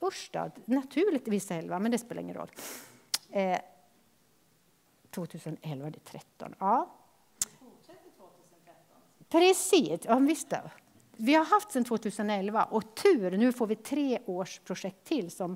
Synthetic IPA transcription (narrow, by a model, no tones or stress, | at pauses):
ʊʂɖɑ̰ːd̪nɑt̪ʰʉːɭɪɡt̪ʋɪsːəɛlʋamɛnd̪ɛspeːləɾɪ̰ŋːənɾɔ̰lː | t̪ʰvoːt̪ʰʉːsənɔʔɛlvad̪ɛt̪ʰɾɛt̪ːɔ̰nɑː | pʰɾɛsiːɔʋɪst̪ə̰ | vɪhaɾɦaft̪sɛnt̪ʰvoːt̪ʰʉːsənɔɛlʋaʔɔt̪ʰʉːɾnʉːfoːɾʋɪt̪ʰɾeːʔoːʂpʰɾʊʂɛk̚t̪ʰːɪlːsɔm